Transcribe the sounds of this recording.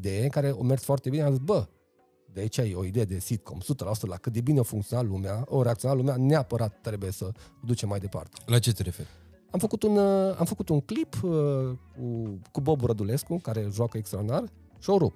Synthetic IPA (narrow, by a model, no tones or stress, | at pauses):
d̪e̞jeŋkaɾe̞o̞mert̪sfoart̪ebineamzisbə | d̪eait͡ʃajeo̞id̪e̞jed̪e̞sit̪̚kʰo̞̰msut̪əlaosut̪lakɨt̪̚d̪e̞bineofuŋkt̪sionalumeaoɾe̞akt̪io̞nalumeaneapəɾat̪ːɾe̞buje̞səod̪ut͡ʃemːajd̪e̞pa̰rt̪e̞̥lat͡ʃet̪eɾefḛɾ | amfəkut̪una̰mfəkut̪uŋklip | kukubo̞buɾəd̪ule̞skukaɾe̞ʒuakəekst̪ɾad̪inar | ʃioɾup